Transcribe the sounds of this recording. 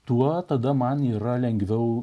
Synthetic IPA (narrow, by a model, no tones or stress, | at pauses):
t̪uɔt̪ɐd̪ɐmɐniːɾɐlʲɛŋʲɡʋʲɛʊ